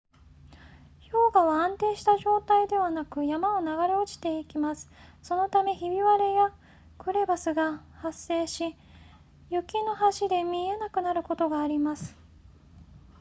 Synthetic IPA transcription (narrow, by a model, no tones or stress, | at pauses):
ço̞ːɡaβaãnt̪e̞ːɕi̥t̪aʑo̞ːt̪aid̪e̞β̞anakɯ̟jamao̞naɡaɾeo̞t͡ɕi̥t̪e̞ikʲimasɨ̥so̞no̞t̪ame̞çibʲiβaɾe̞ja | kɯ̟ɾe̞basɨɡahasːe̞ːɕi | jɯ̟kʲino̞ɦaɕid̪e̞mʲie̞nakɯ̟naɾɯ̟ko̞t̪o̞ɡaːɾʲimasɨ̥